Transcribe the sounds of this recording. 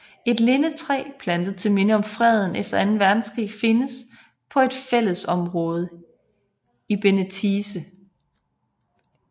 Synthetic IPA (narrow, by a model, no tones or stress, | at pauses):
e̝d̥le̝nət͡sʰʁɛ̰ːpʰlænd̥əð̩ˠt͡sʰe̝lme̝nəɒ̽mfʁɛð̞ˠn̩efd̥ɐænn̩ʋæɐd̥n̩sɡ̥ʁḭːfe̝nəs | pʰɒ̽e̝d̥fel̰əsɒ̽mʁɔ̽ːð̞ˠ | ib̥e̝nət͡sʰiːsə